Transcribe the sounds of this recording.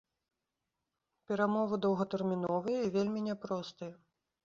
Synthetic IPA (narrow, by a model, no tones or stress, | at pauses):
pʲɛɾamɔvɨd̪ɐwɣɐt̪ɛrmʲin̪ɔvɨjɐivʲelʲmʲinʲɛpɾɔst̪ɨjɐ